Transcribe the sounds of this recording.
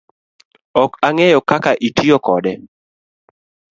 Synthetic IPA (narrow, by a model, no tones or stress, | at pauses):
ɔkaŋɛjɔkakaʔitʰiɔkɔdɛ